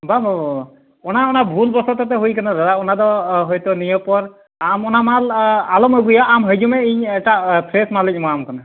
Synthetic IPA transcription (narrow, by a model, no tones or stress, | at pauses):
babɔb | ɔnaɔnabʱulbɔsɔt̪ɔt̪̬ɛɦujkanad̪ad̪aɔnad̪ɔɦɔjt̪ɔnijɔpɔɾ | amɔnamalalɔməɡujaʔamɦəjd͡ʒumɛiɲɛʈapʰɾesmalɛc̚ˀmɔamkana